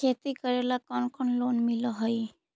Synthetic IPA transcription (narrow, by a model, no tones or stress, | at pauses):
kʰet̪ikɔɾelakɔnkɔnlonmilɔɦɔj